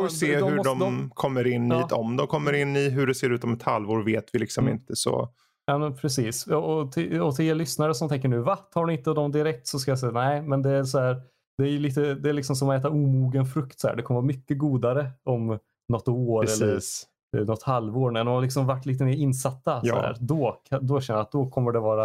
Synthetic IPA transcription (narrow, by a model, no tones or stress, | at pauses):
fɾseːd̪hʉɖɔmkʰɔmːəɾɪnːiɔmd̪ɔmkʰɔmːəɾɪnːɪɦɵɖɛseːɾʉ̟ːt̪ɔmɛt̪ha̰lvoːɾveːt̪vɪlɪksɔmɪ̰nt̪əsɔ̰ | jɑːmɛnpʰɾɛsiːsɔɔt̪ʰɪɔt̪ʰɪleːlʏsnaɾəsɔmt̪ʰɛŋk̬əɳʉ̟ːvat̪ʰɑːɖɪɪnt̪əd̪ɔmd̪ɪɾɛk̚t̪sɔskajas̬ɛjːanæɪmɛnd̪ɛæɾsɔhæːɾ | d̪ɛːjɵliːt̪əd̪ɛːɭɪksɔmsɔmɛːt̪auːmuːɡənfɾɵkt̪sɔhæ̰ːɖɛkʰɔməvɑːmʏkːəɡuːd̪aɾəɔm | nɔt̪ːoːɾɛlːəɾ | nɔt̪ːhalvoːɾmɛnd̪ɔmhalɪksɔmvaʈːliːt̪̬əmeːɾɪnːsat̪ːaj̰hæ̰ːɾd̪ɔad̪ɔʃɛnːəɾat̪̚d̪ɔkʰɔmːəɖɛvɑːɾa